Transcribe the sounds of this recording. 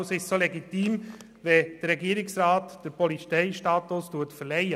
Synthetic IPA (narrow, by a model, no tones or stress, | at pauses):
sɪʃsoleɡit̪iːm | ʋɛd̥əɾɛɡiəɾɪksɾaːt̪d̥əɾpɔlit͡sɛɪʃtɑːt̪ʊstuətfəɾlɛjə